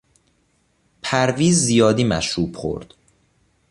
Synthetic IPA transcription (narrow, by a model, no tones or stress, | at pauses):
pʰæɾviːzːijɒːd̪iːmæ̰ʃɾuːb̥χo̰ɾd̪̥